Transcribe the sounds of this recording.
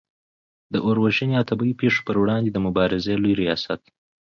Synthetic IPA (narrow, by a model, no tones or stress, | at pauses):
d̪əʔoɾwaʒəneat̪ʰabaipeʂo̥pəɾwɽɑnd̪ed̪əmʊbɑɾɪzelujɾijɑsat̪̚